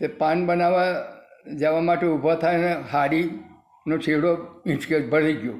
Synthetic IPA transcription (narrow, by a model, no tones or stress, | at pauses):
t̪epanbənaʋa | d͡ʒeʋamaʈeubʱat̪ʰajneɦaɽi | not͡ʃʰeɽoĩt͡ʃkebʱəɽ̤iɡjo